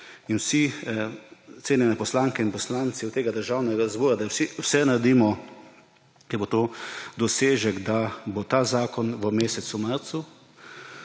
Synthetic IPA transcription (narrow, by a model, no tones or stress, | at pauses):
inwsi | t̪seːnjɛnɛpɔslaːŋkɛinpɔslaːnt̪siwt̪eːɡad̪əɾʒaːwnɛɡazbɔːɾad̪asiwsɛnaɾd̪iːmɔ | kɛbot̪oːd̪ɔseːʒɛɡd̪abot̪aːzaːkɔnʋəmeːsɛt̪sumaɾt̪su